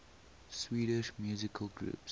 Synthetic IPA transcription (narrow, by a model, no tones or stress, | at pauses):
swiːɾɪʃmjuzɪkʰəlɡɹṵːps